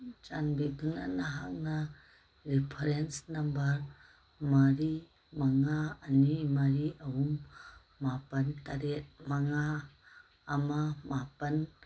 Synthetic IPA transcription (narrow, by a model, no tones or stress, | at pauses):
t͡ʃanbiduna̰naɦa̰k̚na | ɾipʰɐɾensnambɐɾ | maɾi | maŋaːnimaɾiawumː | apɐntaɾet̚maŋaː | mamapɐn